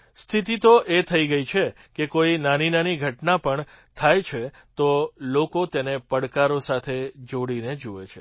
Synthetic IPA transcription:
st̪ʰit̪it̪oʔet̪ʰəiɡəit͡ʃʰe | kekoinaninaniɡʱəʈnapəɳ | t̪ʰajt͡ʃʰe | t̪olokot̪enepəɽkaɾosat̪ʰed͡ʒoɽined͡ʒuet͡ʃʰe

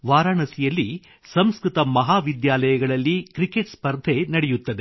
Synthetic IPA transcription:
ʋaːɾaːɳɐsijɐlːi | sɐmskɾɨt̪ɐmɐɦaːʋid̪jaːlɐjɐɡɐɭɐlːikɾikeʈspɐɾd̪ʱenɐɽejut̪ːɐd̪e

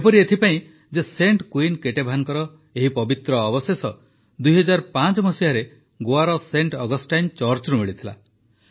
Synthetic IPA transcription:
epɔɾiet̪ʰipaĩ | d͡ʒeseɳʈkwinkeʈebʱaaŋkɔɾɔ | eɦipɔbit̪ɾɔːbɔsesɔ | d̪ujɦɔd͡ʒaɾpat͡ʃɔmɔsiaɾe | ɡoaɾɔseɳʈɔɡɔsʈajnt͡ʃɔɾt͡ʃɾumiɭit̪ʰila̰

